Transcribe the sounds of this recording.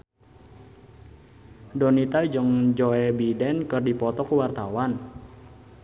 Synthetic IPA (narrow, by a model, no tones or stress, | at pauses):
dɔnit̪ad͡ʒəŋd͡ʒɔɛbidɛnkɨrdipɔt̪ɔkuwart̪awan